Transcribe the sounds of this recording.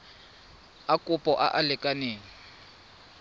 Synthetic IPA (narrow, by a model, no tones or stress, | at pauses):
akʼʊpʼɔʔa̰ʔalɛkʼaneːŋi